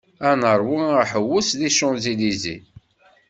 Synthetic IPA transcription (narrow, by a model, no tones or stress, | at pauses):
ænəɾˤwiaħəwːʊsðiʃʊnzilizḭ